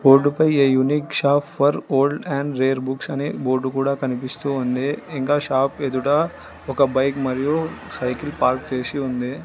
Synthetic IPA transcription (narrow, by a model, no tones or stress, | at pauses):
boːɾɖupɐjejunikʃaːpʰːɐɾoːlɖɛ̃ːɳɖɾeːɾbuksɐniboːɾɖukuːɽakɐnipist̪uɦond̪eːiŋkaːʃaːpʰed̪uʈa | okabɐjkmɐɾijosɐjkilpaːɾk̚t͡ʃeːsiond̪eː